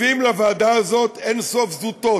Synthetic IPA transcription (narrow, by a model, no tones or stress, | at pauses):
imlavaːd̪aazo̞t̪ensofzut̪o̞